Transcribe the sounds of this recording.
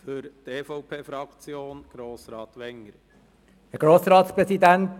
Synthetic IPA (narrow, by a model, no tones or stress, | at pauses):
fʏɾt̪eːfɔʊpʰeːfɾɑkt͡sjoːnɡ̥ɾoːsɾɑːt̪ʋɛŋːəɾ | ɛɡ̥ɾoːsɾɑːt̪spɾɛsid̪ænt